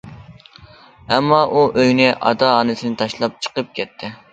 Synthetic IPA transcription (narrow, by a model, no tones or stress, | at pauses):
ɛmːɑʔuʔøjnɪʔɑ̰d̪ɑɑːnɪsɪnɪt̪ʰɑʃlˠɑp̚t͡ʃʰə̥qəp̚kʲɛt̪ʰːɪ